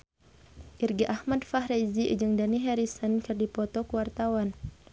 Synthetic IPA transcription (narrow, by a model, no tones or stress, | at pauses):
ʔirɡiʔahmadfaɦɾɛzid͡ʒɨŋdaniɦɛɾisənkɨrdipɔt̪ɔkuwart̪awan